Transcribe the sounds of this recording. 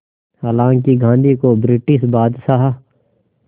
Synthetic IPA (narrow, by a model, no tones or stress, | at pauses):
haːlãːŋkiɡʱãːnd̪ikobɾɪʈɪsbaːd̪saɦa